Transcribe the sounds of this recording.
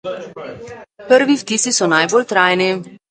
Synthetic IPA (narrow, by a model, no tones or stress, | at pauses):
pəɾʋift̪isisɔnajbolt̪ɾaːjni